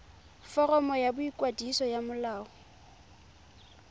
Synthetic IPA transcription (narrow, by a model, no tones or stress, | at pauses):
fɔrɔmɔjabʊikʼwadisɔjamʊlaːɔ